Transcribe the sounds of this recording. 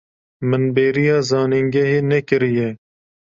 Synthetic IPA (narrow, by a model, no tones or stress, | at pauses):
mɨnbeːɾijɑːzɑːniŋɡɛɦeːnɛkɨɾijɛ